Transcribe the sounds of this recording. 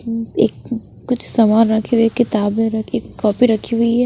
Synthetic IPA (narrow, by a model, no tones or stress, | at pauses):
ḛːkː | ʊt͡ʃʰsɐmaːnɾɐkʰeeːkːɪt̪aːbmẽɾɐkʰeːkːɔːpiɾɐkʰiɦʊiɦɛː